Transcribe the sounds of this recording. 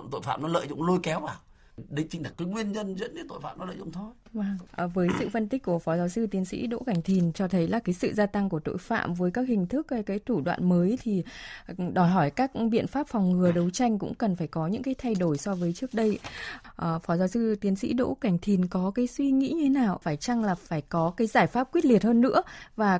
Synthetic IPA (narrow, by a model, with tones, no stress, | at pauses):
t̪o̰˧˨fa̰ː˧˨mnɔ˨˦lə̰ː˧˨jzʊ̰˧˨ŋ͡mlo˧jkɛ˨˦wʔaː˨˩ | ɗḭ̈˧˨ŋ̟t͡ɕï˧ŋɗa˨˩k̚kɨː˨˦ŋwi˧ənɲə˧nzə̰˧˥nə˨˦t̪o̰˧˨jfa̰ː˧˨mnɔ˨˦lə̰ː˧˨z̰ŋ͡mt̪ʰo˧j | vaː˨˩ŋʔːvəː˨˦jsɨ̰˧˨fə˧nt̪ï˦˥k̟̚ku˧˩əfɔ˨˦zaː˨˧˦wsɨ˧t̪i˨˦ənsḭ˧˥ɗo̰˧˥ka˧˩ŋ̟t̪ʰi˨˩nt͡ɕɔ˧t̪ʰə˨˦jlaː˨˩kaː˨˦jsɨ̰˧˨zaː˧t̪a˧ŋku˧˩ət̪o̰˧˨jfa̰ː˧˨mvəː˨˦jkaː˦˥k̚hŋ̟t̪ʰɨ˦˥k̚ːkaː˨˦jt̪ʰu˧˩ɗwa̰ː˧˨nməː˨˦jt̪ʰi˨˩ | ɗɔ˧˩jɦɔ˧˩jkaː˦˥k̚ɓḭ˧˨ənfaː˦˥p̚fɔ˨˩wŋ͡mŋɨ˨˩əɗə˨˦wt͡ɕa˧jŋ̟kʊ̰˧˥ŋ͡mkə˨˩nfaː˧˩jkɔ˨˦ɲɨ̰˧˥ŋkaː˨˦jt̪ʰa˧jɗo˧˩jsɔ˧vəː˨˦jt͡ɕɨ˦˥ək̚ɗə˧jʔəː˨˩fɔ˨˦zaː˨˦wsɨ˧t̪i˨˦ənsḭ˧˥ɗo̰˧˥ka˧˩ŋ̟t̪ʰi˨˩nkɔ˨˦kaː˨˦jswi˧ŋḭ˧˥ɲɨ˧t̪ʰe˨˦naː˨˩wfaː˧˩jt͡ɕa˧ŋlaː˨˩faː˧˩jkɔ˨˦kaː˨˦jzaː˧˩jfaː˦˥p̚kwi˦˥ət̚li˨˩ət̚həː˧nːɨ̰˧˥əvaː˨˩